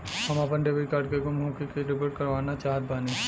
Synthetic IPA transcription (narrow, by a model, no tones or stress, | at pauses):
hɐmɐpənɖeʋiʈkaːɾɖkeɡʊmɦõːkekeɾɪpəʈkɐɾʋaːnat͡ʃaːɦət̪̚baːne